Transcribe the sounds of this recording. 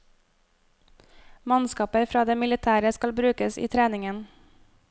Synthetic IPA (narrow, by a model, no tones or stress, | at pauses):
mɑnskɑːpəfɾɑːd̪eːmɪlɪt̪ʰæːɾəskɑlbɾʉːkəsḭːt̪ʰɾeːnɪŋən